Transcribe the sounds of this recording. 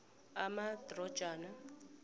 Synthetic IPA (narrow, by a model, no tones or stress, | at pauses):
amadrɔ̥ʒ̥aːna